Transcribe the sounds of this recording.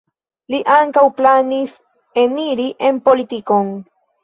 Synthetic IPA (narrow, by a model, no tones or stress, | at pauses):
liʔaŋkawplanis | eniɾiʔe̞mpo̞lit̪iko̞n